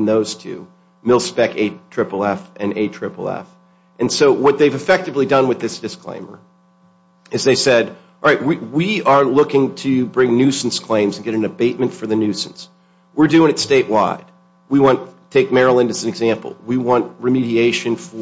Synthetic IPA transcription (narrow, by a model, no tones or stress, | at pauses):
nðoʊz̥tʰʉ̰ | mɪlˠspɛkeɪtʰɹ̥ɪpl̩ˠɛfʔɨ̃nḛɪtʰɹ̥ɪpl̩ˠɛ̰f | ʔɨ̃nsoʊwʌt̪̚ðeɪvɨfɛk̚tɨvlidʌ̃nwɨðɪsd̥ɨskʰl̥ḛ̃ɪ̃mə̰˞ | ɨzðeɪsɛd̚ | lˠɹaɪt̚wiwiə˞lʊkɪ̃ŋtʰɨbɹɪ̃ŋnʉsn̩skʰl̥ẽɪ̃mzn̩ɡɛɾɨ̃n̩ɨbeɪt̚mɨ̃ntfə˞ðɨnʉsn̩s | wɪɹdʉɪ̃ŋɨtsteɪʔwaɪd̥̚ | wiwɑ̃ntʰeɪk̚mɛɹəl̩ˠɨ̃ndɨzn̩ɨɡzæ̃mpl̩ˠwiwɑ̃nʔ̚ɹɨmiɾieɪʃɨ̃nfə